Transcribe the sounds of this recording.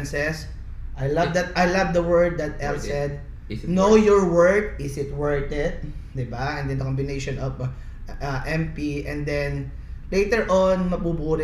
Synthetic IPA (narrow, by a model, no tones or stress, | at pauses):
nsɛs | ʔajlɐvd̪ɐt̪ʔajlɐvd̪ɐwɛɹd̪̚ːɐt̪̚ʔɛlsɛd̪̚ | noowjɔɹwɛɹt̪̚ɪsɪt̪̚wɛɹt̪ɛd̪̚d̪ɪbaɛ̃nd̪ɛnd̪ɐkɔmbɪnejʃɔnɔv | aʔɛmpiʔɛ̃nd̪ɛn | lejt̪ɛɹʔɔnmɐɡ̚bubuːɾ